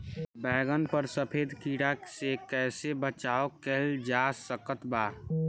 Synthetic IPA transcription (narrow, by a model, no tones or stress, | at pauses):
bɛːɡənpəɾsəpʰeːd̪kiːɽasekɛːsebət͡ʃaːokeld͡ʒasəkət̪baː